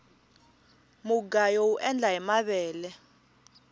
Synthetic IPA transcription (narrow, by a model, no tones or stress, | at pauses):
muɡajouʔɛnd͡ɮʱaɛmaɓɛːlɛ